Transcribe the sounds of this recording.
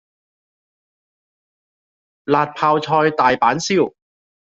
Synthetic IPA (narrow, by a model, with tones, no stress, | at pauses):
laː˨t̚pʰaː˧wt͡ʃʰɔː˧jt̪aː˨˩jpaː˨˥nsiː˥˩w